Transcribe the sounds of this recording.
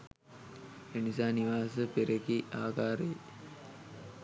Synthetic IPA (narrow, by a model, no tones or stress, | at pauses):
enisaːniʋaːsəpeɾekiaːkaːɾe